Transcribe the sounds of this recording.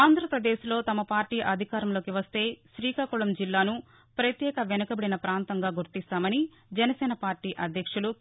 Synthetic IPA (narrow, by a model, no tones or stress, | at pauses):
aːnd̪ʱɾɐpɾɐd̪eːslo̞ːt̪ɐmɐpaːɾʈiːʔɐd̪ʱikaːɾɐmlo̞ːkiʋɐst̪e̞ːʃɾiːkaːkuɭɐmd͡ʒilːaːnu | pɾɐt̪jɛːkɐʋɛnɐkɐbeɽinɐpɾaːnt̪ɐŋɡaːɡuɾt̪ist̪aːmɐni | d͡ʒɛnɐsɛːnɐpaːɾʈiːʔɐd̪ʱjɐkʂulu